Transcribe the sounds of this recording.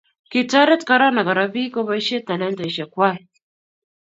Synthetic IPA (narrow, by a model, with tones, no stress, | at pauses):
ki˨ta˦ɾɛ˦tka˦ɾa˦na˨ɡa˨ɾa˨bi˦ko˦βa˦ʃɛ˦ta˨lɛ˦nta˨i˨ʃa˨kwa˦